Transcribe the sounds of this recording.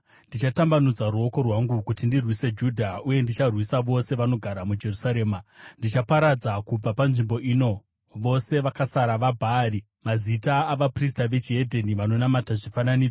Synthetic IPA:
ndit͡ʃatambanud͡zaɾuo̞ko̞rwaŋɡukutindirwise̞d͡ʒuːdʱauje̞ndit͡ʃarwisaʋo̞se̞ʋano̞ɡʱaɾamud͡ʒe̞rusaɾe̞ːmandit͡ʃapaɾad͡zakub͡vapanʐimbo̞ʔiːno̞ | ʋo̞se̞ʋakasaɾaʋabʱaːri | mazitaːʋapris̬taʋe̞t͡ʃiedʱeniʋano̞namataʐifananiːd͡zo

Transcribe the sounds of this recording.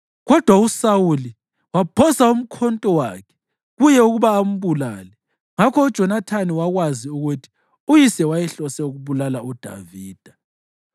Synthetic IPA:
ɣɔd̥ʱwausawuli | wapʰɔsaum̩kʰɔntʼɔwa̰kʰɛ̥ | ɣujɛuɣuβaːm̩βula̰ːlɛ | ŋakʰɔud̥ʒ̥ʱɔnatʰaniwaɣwaziuɣutʰi̥ | ujisɛwajɛɬɔsɛuɣuβulalaud̥ʱa̰viːd̥ʱa

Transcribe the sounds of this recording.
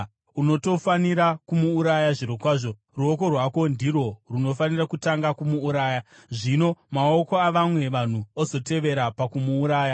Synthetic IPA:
uno̞to̞faniɾakumuːɾajaʐiɾokwaːʐo̞ | ruoko̞rwako̞ndiro̞runo̞fanirakutaŋɡakumuːɾaːja | ʐino̞mao̞ko̞aʋamwe̞ʋan̤uozo̞te̞ʋe̞ɾapakumuːɾaːja

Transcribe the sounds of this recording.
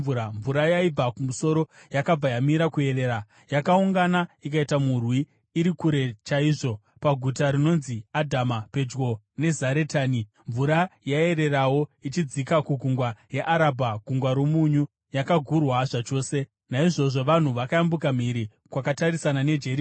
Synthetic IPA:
uaɱvuɾajaib͡vakumuso̞ɾo̞jakab͡vajamiɾakue̞re̞ːɾa | jakauŋɡanaik̬aitamurwiː | ɾikuɾe̞t͡ʃaiːʐo̞ | paɡʱutaɾino̞nziadʱamape̞d͡ʒɡo̞ | ne̞zaɾetaːni | ɱvuɾajae̞ɾe̞rawo̞it͡ʃid͡zikakuɡʱuŋɡwajeʔaɾabʱaɡʱuŋɡwaɾomuɲu | jakaɡʱurwaʐat͡ʃo̞ːse̞ | naiʐo̞ʐo̞ʋan̤uʋakajambukam̤iɾi | kwakataɾisanane̞d͡ʒe̞ɾi

